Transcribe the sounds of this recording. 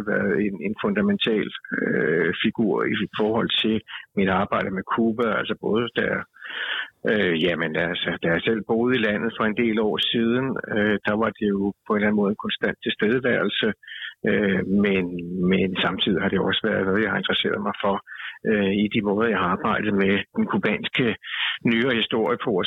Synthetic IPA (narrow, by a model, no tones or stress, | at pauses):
ʋæɐðˠe̝ne̝nfɔ̽nd̥æment͡sʰɛ̰ːløfiɡ̥uɐ̰ifɒːhɒ̽l̰t͡sʰe̝lmiɾ̥ɑ̈ːb̥ɑ̈ɪ̰d̥əmekʰuːb̥æælsɐb̥ɔ̽ːð̞ˠəd̥æɐ | øjæmenælsəd̥æasel̰b̥o̝ːð̞̩ˠilæn̰ð̞̩ˠfɒ̽e̝nd̥e̝̰ːlɒ̰ːsiːð̞ˠn̩ød̥ɑ̈ʋɑ̈d̥e̝jo̝pʰɒ̽e̝nlæn̩mɔ̽ːð̞̩ˠenkʰɒ̽nsd̥æn̰d̥̚t͡sʰe̝sd̥eð̞ˠəʋæɐl̩səømenmensɑ̈mt͡sʰið̰ˠiɦɑ̈d̥ɾejo̝ɒ̽səʋæɐð̞ˠnɔ̽ːð̞ˠjɑ̈hɑ̈e̝nd̥ʁɐse̝̰ːɐðˠmɑ̈ɪfɒ̽ʔøid̥imɔ̽ːð̞ˠɐjɑ̈ɪhɑ̈ːb̥ɑ̈ɪ̰d̥ð̩ˠmed̥enkʰub̥ɛ̰ːnsɡ̥ənyːɐhisd̥o̝ɐ̰jəpʰɒ